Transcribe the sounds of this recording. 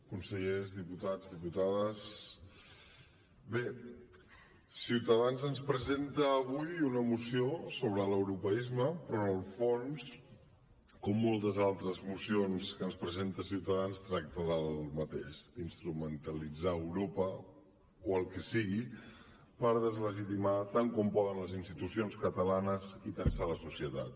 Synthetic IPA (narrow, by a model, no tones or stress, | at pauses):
kunsəʎezðiput̪ad͡zðiput̪aðəs | be | siwt̪əðanzənspɾəzent̪əːβujunəmusiosoβɾələwɾupəizməpɾɔnəlˠfons | kɔmːɔlˠt̪əzalˠt̪ɾəzmusionskənspɾəzent̪əsiwt̪əðanst̪ɾak̚t̪əðəlˠmət̪eʃd̪inst̪ɾumənt̪əlid͡zaəwɾopə | oəlˠkɛsiɣi | pəɾðəzləʒit̪imat̪aŋkɔmpɔðənləzinst̪it̪usionskət̪əlanəzit̪ənsaləsusijət̪at̪̚